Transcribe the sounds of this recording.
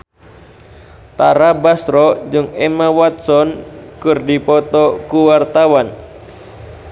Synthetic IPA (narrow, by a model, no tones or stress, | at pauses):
t̪aɾabasɾɔd͡ʒɨŋɛmawat̪̚sɔnkɨrdipɔt̪ɔkuwart̪awan